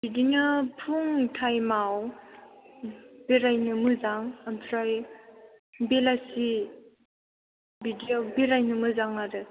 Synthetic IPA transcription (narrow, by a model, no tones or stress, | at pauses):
bidinɯpʰuŋtʰajmaw | beɾajnɯmɯzaŋamtʰɾaj | belasi | bidiobeɾajnɯmɯzaŋaɾɯ